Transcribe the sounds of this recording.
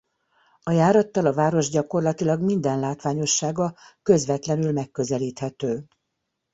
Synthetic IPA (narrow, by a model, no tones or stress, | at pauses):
ɒjaːɾɒt̪ːɒlɒvaːɾo̞ʒɟɒko̞rlɒt̪ilɒɡmind̪ɛnlaːt̪ʋaːɲo̞ʃːaːɡɒkø̞zʋɛt̪lɛnylmɛkːø̞zɛliːt̪hɛt̪øː